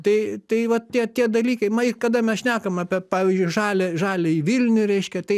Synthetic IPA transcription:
t̪ɐɪt̪ɐɪʋɐtt̪ʲiɛt̪ʲiɛd̪ɐlʲiːkɐɪmɐɪrkɐd̪ɐmʲɛsʃʲnʲæːkɐmɑːpʲɛpɑːʋʲiːzʲd͡ʒʲʊɪʒɑːlʲɛʒɑːlʲɛɪʋʲɪlʲnʲʊɾʲɛɪʃʲkʲɛt̪ɐɪ

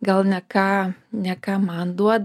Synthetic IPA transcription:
ɡalɲakaɲakamand̪uad̪

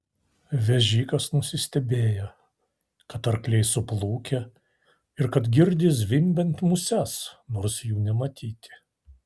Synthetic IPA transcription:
ʋʲɛʒʲiːkɐsnʊsʲɪsʲt̪ʲɛbʲeːjo | kɐt̪ɐɾklʲɛɪsʊplˠuːkʲɛ | ɪɾkɐt̪ɡʲɪɾʲd̪ʲɪs̬ʋʲɪmʲbʲɛnʲt̪ʲmʊsʲɛsnoːɾsjuːnʲɛmɐt̪ʲiːt̪ʲɪ̥

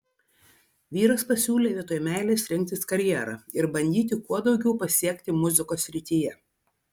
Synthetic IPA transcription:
ʋʲiːɾɐspɐsʲuːlʲeːʋʲiɛt̪oːjmʲæˑɪlʲeːsɾʲɪŋʲk̚ʲt̪ʲɪskɐɾʲjæˑɾɑ̰ːɪɾbɐnʲd̪ʲiːt̪ʲɪkuɔd̪ɒʊɡʲɛʊpɐsʲiɛkʲt̪ʲɪmʊzʲɪkoːsʲːɾʲɪt̪ʲiːjɛ

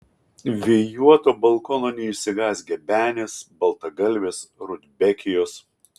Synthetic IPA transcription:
ʋʲɛjuɔt̪oːbɐlˠˑkoːnoːnʲɛɪʃʲsʲɪɡɑːsʲɡʲɛbʲæːnʲeːsbɐlˠt̪ɐɡɐlʲʋʲeːsɾʊd̪ʲbʲɛkʲɪjoːs

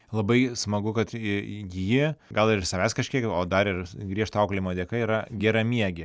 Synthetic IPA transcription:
lˠɐbɐɪsmɐɡʊkɐt̪jiːɡɐlˠɪɾsɐʋʲæːskɐʃʲkʲiɛkoːd̪ɐɾɪɾɡɾʲiɛʃt̪ɐɐʊklʲɪmoːd̪ʲeɛkɐiːɾɐɡʲɛɾɐmʲiɛɡʲɪ

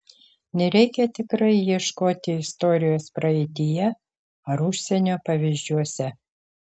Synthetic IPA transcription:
nʲɛɾʲɛɪkʲɛt̪ʲɪkɾɐɪjiɛʃkoːt̪ʲɪɪst̪oɾʲɪjoːspɾɐɛɪt̪ʲɪjɛ | ɐɾʊʃʲsʲɛnʲoːpɐʋʲɪzʲd͡ʒʲuɔsʲɛ

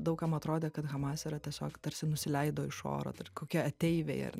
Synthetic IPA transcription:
d̪ɐʊkɐmɐt̪ɾoːd̪ʲeːkɐt̪ɣɐmɑːsʲeɾɐt̪ʲiɛsʲo̰ːkt̪ɐɾʲsʲɪnʊsʲɪlʲɛɪd̪oːɪʃo̰ːɾo̰ːt̪ɐrkoːkʲiɛɐt̪ʲɛɪʋʲḛːɪɐ̰r

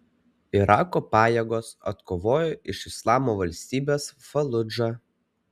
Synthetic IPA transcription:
ɪɾɑːkoːpɑːjeɡoːsɐ̰t̪koːʋoːjoʔɪʃɪslˠɑːmoːʋɐlʲsʲt̪ʲiːbʲeːsfɐlˠʊd͡ʒɑ

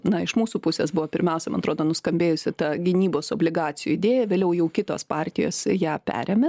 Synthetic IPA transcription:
nɐɪʃmuːsuːpʊsʲḛːsbʊʋoːpʲɪɾʲmʲɛʊsʲɛmɐnɐt̪ɾoːd̪oːnʊskɐmʲbʲeːjʊsʲɪt̪ɑɡʲɪnʲiːboːsoːbʲlʲɪɡɑːtt͡s̪ʲɪjṵːɪd̪ʲeːjɛʋʲeːlʲɛʊjɛʊkʲɪt̪o̰ːspɑːrʲt̪ʲɪjo̰ːsjæːpʲæ̰ːɾʲɛmʲɛ

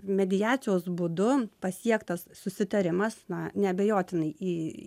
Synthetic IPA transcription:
mʲɛd̪ʲɪjɑːt̪t͡s̪ʲɪjoːsbʊd̪ʊpɐsʲiɛkt̪ɐssʊsʲɪt̪ɐɾʲɪmɐsnɐnʲɛɐbʲɛjoːt̪ʲɪnɐɪʔiː

